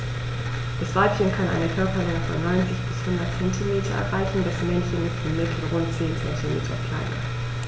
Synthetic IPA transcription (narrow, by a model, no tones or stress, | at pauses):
d̥asv̥aɪp̚ç̥ɪnkʰanʔa̰ɪnəkʰœɐpɐlɛŋəfɔ̰nːɔʏnt͡sɪçb̥ɪshʊndɐtt͡sɛntʰimeːtʰɐ̰ʔɛ̰ɐʁaɪçn̩dɛsmɛnçənɪsinmɪtʰl̩ʁʊntt͡seːnt͡sɛntʰimḛːtʰɐ̰kl̥a̰ɪnɐ̰